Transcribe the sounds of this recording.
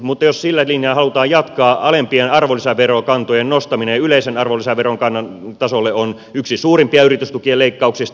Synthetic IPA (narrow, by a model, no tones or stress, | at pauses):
mut̪ːɑjossilːælinjɑːhɑlut̪ɑːjjɑt̪kɑːɑlempienɑrʋolisæʋerokɑnt̪ojennost̪ɑminejɑyleisenɑrʋolːisæʋʋeroŋkɑnːɑnt̪ɑsolːeon | yksisuːrimpiɑyrit̪yst̪ukieleikːɑuksist̪